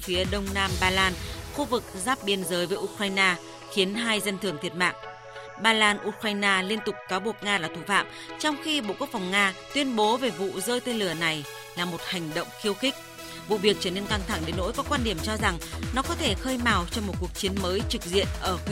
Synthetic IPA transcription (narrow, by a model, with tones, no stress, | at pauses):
fi˨˦əɗə˧wŋ͡mnaː˧mɓaː˧laː˧nxu˧vɨ˨˩k̚zaː˦˥p̚ɓi˧ənzəː˨˦jvəː˨˦jʔu˧kɾaː˧jnaː˧ | xi˨˦ənɦaː˧jzə˧nt̪ʰɨ˧˩əŋt̪ʰi˨˩ət̚ma̰ː˧˨ŋ | ɓaː˧laː˧nʔu˧kɾaː˧jnaː˧li˧ənt̪ʊ˨˩k͡p̚kaː˨˦wɓu˨˩ək̚ŋaː˧laː˨˩t̪ʰu˧˩fa̰ː˧˨m | t͡ɕɔ˧wŋ͡mxi˧ɓo̰˧˨ku˦˥ək̚fa˨˩wŋ͡mŋaː˧t̪wi˧ənɓo˨˦ve˨˩vṵ˧˨zəː˧jt̪e˧nlɨ˧˩əna˨˩j | laː˨˩mo˨˩t̚ha˨˩jŋ̟ɗə̰˧˨wŋ͡mxi˧əwxï˦˥k̟̚ | vṵ˧˨vi˨˩ək̚t͡ɕəː˧˩ne˧nka˧ŋt̪ʰa˧˩ŋɗe˨˦nːo̰˧˥jkɔ˨˦kwaː˧nɗi˨˧˩əmt͡ɕɔ˧za˨˩ŋnɔ˨˦kɔ˨˦t̪ʰe˧˩xəː˧jmaː˨˩wt͡ɕɔ˧wŋ͡mmo˨˩t̚ku˨˩ək̚t͡ɕi˨˦ənməː˨˦jt͡ɕɨ˨˩k̚zḭ˧˨ənʔəː˧˩